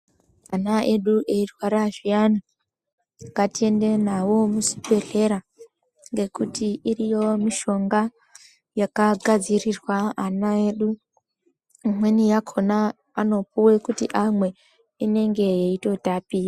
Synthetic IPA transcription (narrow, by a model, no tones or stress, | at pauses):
anae̞ɗuʔeirwaɾaʐiana | katie̞ndenawo̞musi̥pe̞ɮe̞ɾa | ŋɡe̞kutiirijo̞miʃo̞ŋɡa | jakaɡʱad͡zirirwaanae̞ɗu | imwe̞nijakʰo̞na | ano̞puwe̞kutiʔamwe̞ | ine̞ŋɡe̞ːito̞tapija